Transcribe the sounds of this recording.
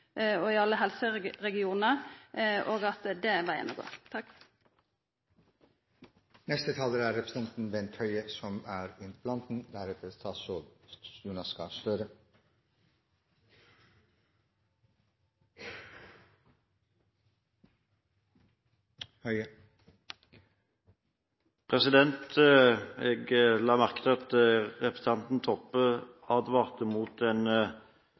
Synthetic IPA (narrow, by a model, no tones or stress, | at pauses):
ɔɪɑlːəɦɛlsəɾɛɡɪuːnə | ʔoːɡɑt̪d̪ɛʋɑjɛ̰nːɔɡo̰ːt̪ʰɑk | nɛst̪ət̪ʰɑːləɾæːɾɾɛpɾsɛnt̪n̩bɛnt̪ʰœʏəsɔmæːɾɪnt̪pʰlɑnt̪n̩d̪æɾɛt̪ʰəst̪ɑːsojunɑskɑsløːɾə | hœ | pʰʁɛsɪd̪ɛnt̪ | eːɡəlɑːmæʁkət̪ɑt̪əʁɛpʁə̥sɑnt̪n̩t̪ʰɔpːə | ɑːd̪ʋɑːʁt̪əmuːt̪ɛːn